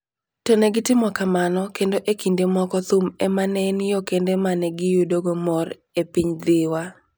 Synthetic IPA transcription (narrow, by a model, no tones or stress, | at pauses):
tɔnɛɡɪtɪmɔkamanɔkendoʔekindemɔkɔt̪ʊmɛmanɛnjɔkendemanɛɡɪjudoɡomɔr | epiɲd̪ɪwa